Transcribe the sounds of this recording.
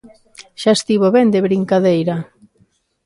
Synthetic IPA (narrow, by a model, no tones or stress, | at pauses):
ʃaest̪iβoβɛnd̪eβɾiŋkaðejɾa